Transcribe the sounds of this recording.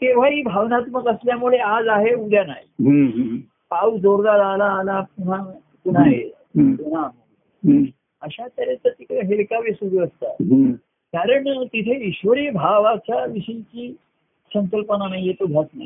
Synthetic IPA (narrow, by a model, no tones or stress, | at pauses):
k̪eʋ̤aɦiːbʱaʋnat̪məɡəsljamuɭead͡zaɦeuɽjanaɦiɦ | paud͡zoɾd̪aɾːlaːlapun̤a | pun̤aɦe | t̪un̤aɦo | əɕat̪əɾet̪əɾt̪ikɦelkaʋesud̪ʱəəst̪a̰ɦ | kaɾəɳt̪it̪ʰeiɕʋəɾijbʱaʋat͡ɕjaʋiɕiɲt͡ɕiː | səŋkəlpənanaɦijet̪oɡʱatnaɦi